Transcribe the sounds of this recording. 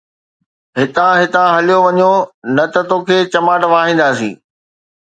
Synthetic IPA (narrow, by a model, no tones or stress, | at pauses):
ɦɪt̪ãɦɪt̪ãɦɐlijoʋɐɲonɐt̪ɐt̪oːkʰeːt͡ɕɐmaːʈʋaːɦĩːnd̪aːsḭ̃ː